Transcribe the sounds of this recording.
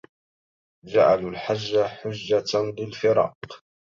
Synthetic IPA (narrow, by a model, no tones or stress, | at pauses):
d͡ʒa̰ʕalalħad͡ʒːaħʊd͡ʒːalɪlfɪɾɑ̰ːq